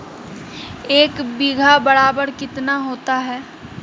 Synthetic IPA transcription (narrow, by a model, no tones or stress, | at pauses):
eːkbiɡʱabɐɾaːbəɾkɪt̪naɦoːt̪aɦɛː